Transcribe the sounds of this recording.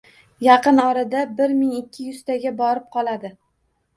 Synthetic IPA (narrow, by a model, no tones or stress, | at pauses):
jɑqɨnɒɾad̪abɪɾmɪŋɪkʲʰːɪjʊst̪aɡʲabɒɾɪp̚qʰɒlˠad̪ɪ